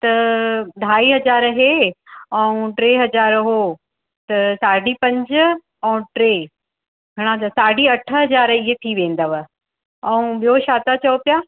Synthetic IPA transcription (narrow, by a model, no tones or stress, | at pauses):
t̪ɐd̪ʱaːiɦɐzaːɾɦeɛũʈɾeːɦɐzaːɾɦoː | t̪ɐsaːɖipɐ̃ɲd͡ʑ | ɛ̃ũʈɾeː | ɡʱɐɽ̃ãt̪ɐsaːɖiɐʈʰəɦɐzaːɾiɦet̪ʰiʋẽːn̆d̪əʋə | ɛũɓijoʃaːt̪at͡ɕɐopjaː